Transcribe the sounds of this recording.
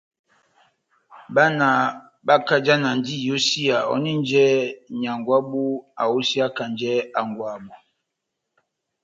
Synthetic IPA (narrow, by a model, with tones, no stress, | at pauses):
ba˦na˨ | ba˦ka˦d͡ʒa˦na˨n˦di˦jo˦si˦a˨ɔ̰˦ni˦n˦d͡ʒɛ˦ɲa˨ŋɡwa˦bu˦a̰˨o˦si˦a˦ka˨nd͡ʒɛ˦a˨ŋɡwa˨bɔ˨